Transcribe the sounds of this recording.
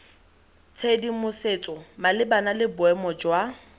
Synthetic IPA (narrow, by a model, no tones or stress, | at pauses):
t͡sʰedimʊset͡sʼɔmalɪbanalɪbʊɛmɔd͡ʒwa